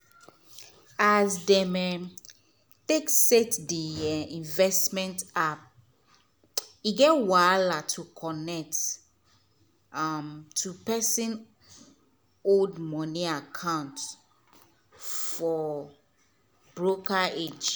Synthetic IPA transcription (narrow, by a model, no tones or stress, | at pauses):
azdɛmɛ | teksetdiĩnvɛstmɛ̃ntap̚ | iɡɛtwalatʰukʰɔnɛk̚t | amtʰːupɛsĩn | oldmɔ̃niakʰãʊ̃nt | fɔ | bɹokʰaed͡ʒ